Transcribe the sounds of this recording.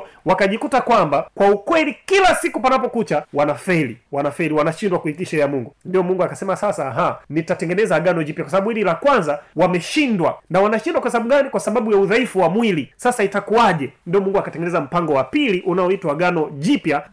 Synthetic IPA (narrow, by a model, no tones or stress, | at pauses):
wakaʄikutakwambakwaukwɛlikilasikupanapɔkut͡ʃawanafɛliwanafɛliwanaʃindwakuitiʃaɛjamuŋɡundiɔmuŋɡuakasɛmasasaːɦanitatɛŋɡɛnɛzaːɡanɔʄipjakwas̬aɓaɓuhililakwanzawamɛʃindwanawanaʃindwakwhɛsaɓuɡanikwasaɓaɓujauðaifuwamwilisasaitakuaʄɛndiɔmuŋɡuakatɛŋɡɛnɛzam̩paŋɡɔwapiliʔunaɔitwaːɡanɔʄipja